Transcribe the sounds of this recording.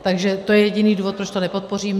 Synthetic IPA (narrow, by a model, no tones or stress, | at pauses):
t̪aɡʒɛt̪ojɛjɛɟɪniːduːvot̪̚pɾot͡ʃt̪o̞nɛpo̞t̪̚po̞riːm